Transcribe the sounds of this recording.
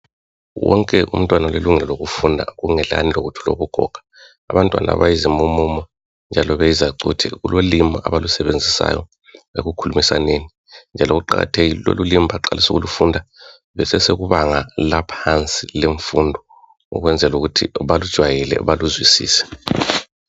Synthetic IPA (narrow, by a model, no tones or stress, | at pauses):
wɔŋkʼɛʔṵm̩tʼwanaleluŋɛlɔloɣufundʱa̰ɣuŋɛla̰niloɣutʰulo̰βuɡ̥ʱɔ̰ɡ̥ʱḁː | βantʼwa̰na̰βajizimumuːmɔ | nd͡ʒʱalɔβɛjizaǀṵtʰɛ̰ɣṵlolimaʔaβalusɛβend͡zʱisa̰jɔ | eɣukʰulumisaneni | nd͡ʒʱalɔɣuǃaɣa̰tʰeɣilo̰lulimʱaǃalisuɣulufundʱa | βɛsɛseɣuβaŋalapʰant͡sʼileɱfundʱɔ | ṵɣwɛnd͡zʱɛluɣutʰḭβalud̥ʒ̥ʱwajɛlɛ̰βaluzwisḭːsɛ̥